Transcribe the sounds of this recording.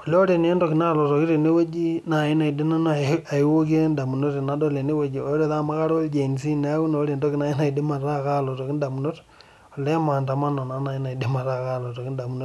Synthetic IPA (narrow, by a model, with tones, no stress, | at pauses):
o˨lo˦ɾe˨n˦e˦ndo˦ki˨na˦˨lo˨to˨ki˦ɾe˨ne˦we˦d͡ʒi˦na˨i˦na˨i˨de˦na˦no˦˨a˨i˦wo˦k̬e˦nda˨mu˨no˦ɾi˨na˨˦do˦le˨ne˦we˨˦d͡ʒi˨o˨˦ɾo˦ða˦ma˦ka˦ɾo˦ld͡ʒe˨n˨si˦ne˦a˦ku˦no˨˦ɾe˨ndo˦ki˦na˨i˦na˨i˨de˦ma˨ɾa˦˨kaː˦lo˨to˨ki˦n˦da˨mu˨no˦ɾ | o˨le˦ma˨nta˨ma˦no˨na˨˦na˨i˦na˨i˨de˦ma˨ɾa˦˨ka˦˨lo˨to˨ki˦nda˨mu˨no˦